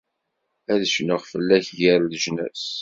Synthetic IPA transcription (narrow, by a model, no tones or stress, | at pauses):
æðəʃnəʁfəlːæçjəɾlʒnæ̰s